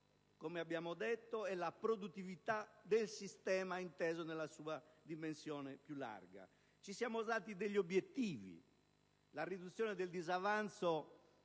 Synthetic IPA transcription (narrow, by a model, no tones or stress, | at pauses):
komeabːjaːmod̪ɛt̪ːoɛlapɾod̪ut̪ːivit̪ad̪elsist̪ɛːmaint̪ɛːzonelːasuːad̪imensjɔːnɛpjulːa̰rɡa̰ | t͡ʃisjaːmost̪aːt̪id̪eʎːiobjet̪ːiːvḭ | larid̪ut̪sːjɔːnɛd̪eld̪izavant̪so